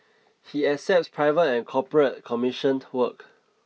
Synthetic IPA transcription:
hiɛsɛp̚tspʰɹaɪvətɛ̃nkʰɔpɹət̚kʰɔmiʃə̃nwək

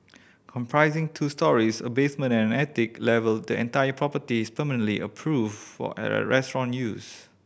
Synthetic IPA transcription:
kʰɔ̃mpʰɹaɪzɪ̃ŋtʰustɔɹisə̰besmə̃nɛ̃nnɛtɪklɛvəldəɛ̰̃ntajəpʰɹɔpətispəmənə̃nliʔəpʰɹuffɔ̰ɹɛstɹɔ̃njus

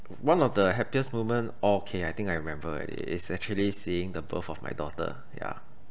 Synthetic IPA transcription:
wãnɔfdəɦɛpiəsmuvmə̃nɔkʰeajt̪ɪ̃ŋkajɹimɛ̃mbəɛ̰dḭɪ̰sɛk̚t͡ʃuəlisiɪ̃ŋdəbə̰fɔfma̰jdɔtə̰ | ja̰

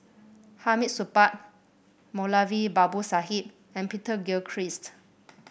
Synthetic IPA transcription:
hamit̚supat̚ | molavibabusaɦit̚ | ɛ̃npitəɡilkʰɹist

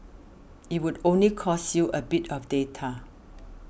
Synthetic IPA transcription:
it̚wudõnlikʰɔsjuʔəbitʰɔfdetʰa

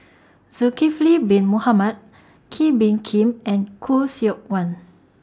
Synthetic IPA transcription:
zukiflibĩnmuhamat̚ | kʰibĩnkʰĩmɛ̃nkʰusiɔk̚wãn

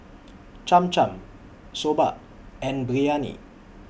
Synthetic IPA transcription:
t͡ʃãmt͡ʃãm | sobaʔ | ɛ̃nbɾianḭ

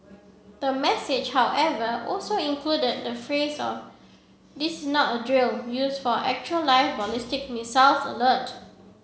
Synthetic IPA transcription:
d̥əmɛsɪd͡ʒhawʔɛvəʔɔlsoĩnkʰludəd̚dəfɹesɔf | disɪsnɔtədɹiljusfɔʔɛ̰k̚t͡ʃuəlːaɪfbɔlɪstɪk̚misalsə̰lət

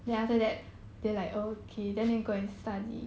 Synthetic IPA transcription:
dɛ̃naftədɛt̚ | d̥elaɪkokʰedɛ̃ndɛ̃nɡoɛ̃nstadḭ

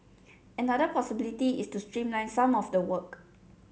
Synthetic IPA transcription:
ɛnadəpʰɔsibilitiḭstustɹĩmlãɪ̃nsãmɔfdəwək

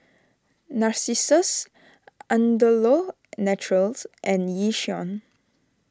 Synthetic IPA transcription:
naɹsisəs | ãndəlɔ | nɛt͡ʃuɹəlsʔɛ̃njiʃiɔ̃n

